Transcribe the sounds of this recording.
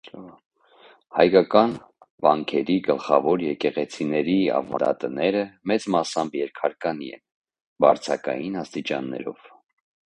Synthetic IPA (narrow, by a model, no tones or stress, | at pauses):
hɑjkɑkɑn | vɑŋkʰɛɾiɡəlχɑvɔɾjɛkɛʁɛt͡sʰinɛɾiɑ̰vɑnd̪ɑ̰t̪ənɛɾəmɛt͡smɑsɑmbjɛɾkʰɑɾkɑniɛ̰n | bɑ̰ɾt͡sʰɑkɑ̰jinɑst̪it͡ʃɑ̰nːɛ̰ɾɔ̰v̥